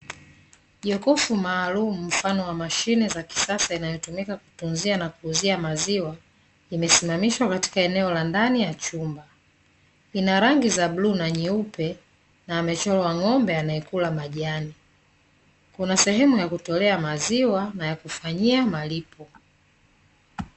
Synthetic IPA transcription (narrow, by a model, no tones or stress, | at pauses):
ʄɔkɔfumaːlumum̩fanɔwamaʃinɛzaki̥sasainajɔtumikaku̥tunzianakuːziamaziwa | imɛsimamiʃwakati̥kaɛnɛɔlandanijat͡ʃumba | inaɾaŋɡizabluːnaɲiupɛ | naːmɛt͡ʃɔlɔwaŋɔmbɛanaɛkulamaʄani | kunasɛhɛmujakutɔlɛamaziwanajakufaɲiamalipɔ